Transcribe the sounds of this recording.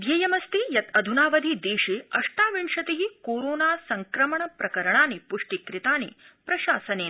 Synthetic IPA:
ʋjɐjɐmɐst̪ijɐt̪ɐd̪ʱunaːʋɐd̪ʱid̪eːʂeːɐʂʈaːʋiɳʂɐt̪eɦikoːɾoːnaːsɐŋkɾɐmɐɳɐpɾɐkɐɾɐɳaːnipuʂʈikɾit̪aːni | pɾɐʃaːsɐneː

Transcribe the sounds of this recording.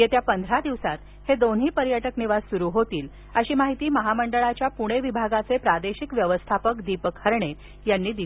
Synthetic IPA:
jet̪japənd̪ʱɾad̪iʋsat̪ | hed̪onɦiːpəɾjəʈəkniʋad͡zsuɾuːɦot̪iːl | əɕiːmaɦit̪iːməɦaməɳɖəɭat͡ɕjapuɽ̃eʋibʱaɡat͡sepɾad̪eɕikʋjəʋəst̪ʰapəkd̪ipəkʰhəɾɳe | janːiːd̪i

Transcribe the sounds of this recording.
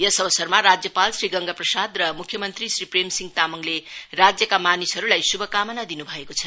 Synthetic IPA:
jʌsʌbʌsʌrmaɾad͡zjʌpalsriɡʌŋɡaprʌsad̪rʌmukʰːjʌmʌnt̪risripremsiŋɡt̪amʌŋlerad͡zjʌkamanisɦʌɾulajsubʱʌkamʌnad̪inubʱʌekot͡sʰʌn

